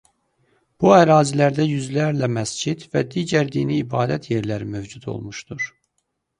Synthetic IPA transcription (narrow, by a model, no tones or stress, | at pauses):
b̥uæɾɑːzilæɾd̪æjyzlæɾlæmæsd͡ʒid̪væd̪iːɟæɾd̪iːniːbɑːd̪æt̪ʰje̞ɾlæɾimø̞vd͡ʒud̪ʰo̞̰lˠmuʃd̪uɾ